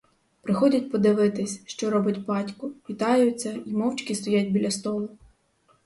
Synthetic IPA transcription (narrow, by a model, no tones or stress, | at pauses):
pɾɪxɔdʲɐt̚ʲpɔd̪ɪʋɪt̪ɪsʲʃt͡ʃɔɾɔbɪtʲbɑtʲkʊʋʲit̪ɑjʊt͡sʲːɐimɔwt͡ʃkʲist̪ɔjadʲbʲilʲɐst̪ɔlˠʊ